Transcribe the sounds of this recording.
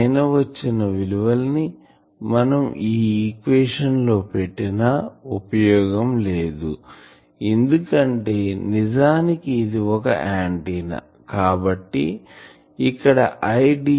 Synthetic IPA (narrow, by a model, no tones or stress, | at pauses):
jnɐʋɐt͡ʃːinɐʋiluʋɐlni | mɐnɐmiːkʋeːʂɐnlo̞ːpeʈːinɐupɐjɔːɡɐmle̞ːd̪ṵ | end̪ukɐɳʈe̞ːnid͡ʒaːnikiːd̪iɔkɐ̰ʔaːɳʈinɐ̰ | kaːbɐʈːḭ | ikːɐɽɐ̰ʔɐjɖi